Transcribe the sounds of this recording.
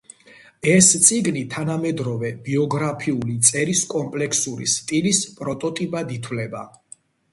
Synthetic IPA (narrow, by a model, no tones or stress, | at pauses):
ɛst̪sʼiɡnit̪ʰanamɛd̪ɾɔvɛb̥iɔɡɾapʰiulit̪sʼɛɾiskʼɔmpʼlɛkʰsuɾḭst̪ʼilispʼɾɔt̪ʼɔt̪ʼipʼad̪it̪ʰwlɛba